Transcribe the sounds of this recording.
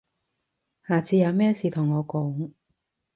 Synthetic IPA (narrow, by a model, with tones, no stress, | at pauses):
haː˨˩t͡siː˨˧jɐ˨˧wmɛː˥siː˨t̪ʰʊ˨˩ŋːɔː˨˧kɔː˨˥ŋ